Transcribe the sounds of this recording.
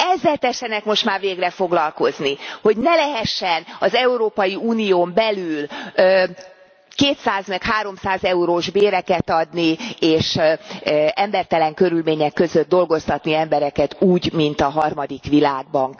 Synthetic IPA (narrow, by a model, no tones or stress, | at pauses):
ɛzːɛlt̪ɛʃːɛnɛkmo̞ʃt̪maːrveːɡrɛfo̞ɡlɒlko̞zniho̞ɟnɛlɛɦɛʃːɛnɒzɛuɾoːpɒjiuːnijoːmbɛlylː | keːt̪saːzmɛkhaːɾo̞msaːzɛuɾoːʒbeːɾɛkɛt̪ɒd̪nieːʃ | ɛmbɛrt̪ɛlɛŋkø̞ɾylmeːɲɛkːø̞zød̪̚d̪o̞lɡo̞st̪ɒt̪niɛmbɛɾɛkɛt̪uːɟmint̪ɒɦɒrmɒd̪ikʋilaːɡ̚bɒn